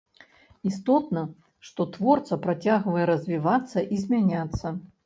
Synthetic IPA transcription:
ist̪ɔt̪nɐ | ʂt̪ɔt̪vɔrt̪sɐpɾat͡sʲaɣvɐjɛɾɐzʲvʲivat̪sːɐʔizʲmʲanʲat̪sːɐ

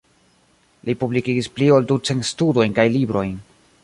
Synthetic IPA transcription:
lipublikiɡisplioldut͡sentstudo̞jnkajlibɾo̞jn

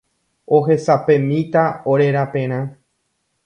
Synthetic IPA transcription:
oɦe̞sapẽ̞mĩt̪aoɾe̞ɾapẽ̞ɾ̃ã

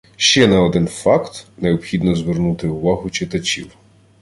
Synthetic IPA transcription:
ʃt͡ʃɛnɐɔd̪ɪnfɑkt̪neɔpxʲid̪nɔzʋernut̪ɪʊʋɑɦʊt͡ʃɪt̪ɐt͡ʃʲḭw

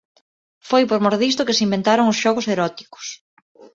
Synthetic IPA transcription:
fojpoɾmoɾðist̪ʊkɪsimbent̪aɾoŋʊsʃɔɣʊseɾɔt̪i̥kʊ̥s

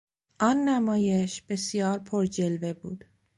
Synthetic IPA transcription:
ʔɒːnːæmɒːjeʃb̥esijɒːɾpʰoɾd͡ʒelvebuːd̪̥

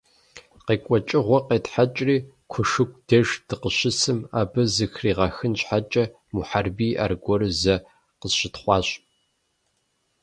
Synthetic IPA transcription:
qeːkʷʼɔt͡ʃʼɪʁʷɔqeːtħat͡ʃʼriː | kʷʰʊʂɨkʷʰʼd̥ɐʒd̥ɨqəɕɪsɨma̰ːbɨzɨxriːʁɑxɨnɕħat͡ʃʼɐ | muħarbiːʔa̰ːrɡʷɔɾɨzɐ | qəzɕɪtχʷɑːɕʼ

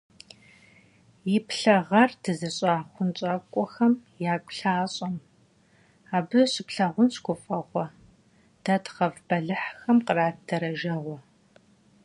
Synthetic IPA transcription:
jɪpɬɐʁɐrdɨzɐɕʼaːχʷʊnt͡ʃʼaːkʷʼɔxɐmjaːkʷʼʊɬaːɕʼɐm | aːbɨɕɪpɬɐʁʷʊnɕɡʷʊfʼɐʁʷɔ | d̥ɐtqɐvbɐɮɨħxɐmqəraːtdɐɾɐʒɐʁʷɔ

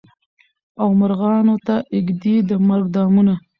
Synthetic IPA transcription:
awmaɾɣɑnot̪aʔɪɡd̪id̪əmaɾɡ̚d̪ɑmuna

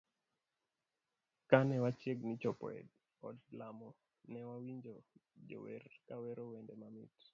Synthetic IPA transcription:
kanɛwat͡ʃjeɡnit͡ʃɔpɔ̰ɛ̰d | ɔdlamɔ | nɛwawiɲd͡ʒod͡ʒo̰wḛrkaweɾowendɛmamḭt

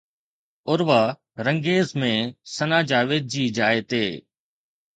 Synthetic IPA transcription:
ʊɾʋa | ɾə̃ŋɡeːzmẽsənaːd͡ʑaːʋeːd̪̚d͡ʑiːd͡ʑaːet̪eː

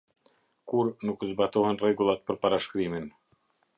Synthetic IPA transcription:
kuɾnukzbat̪ɔhɛnrɛɡulˠat̪̚pəɾpaɾaʃkɾimin

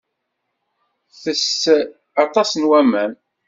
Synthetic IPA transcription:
θəs | ɑt̪ˤɑsənwæmæn

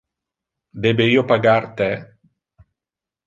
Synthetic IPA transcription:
d̪eːbeiːopaɡart̪ɛ

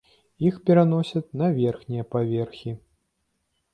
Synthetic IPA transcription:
ixpʲɛɾanɔsʲɐt̪ʲnɐvʲɛrxnʲijɐpavʲɛrxʲi

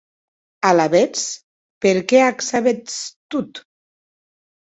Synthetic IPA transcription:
alaβet͡s | peɾkeaksaβet͡st̪ut̪

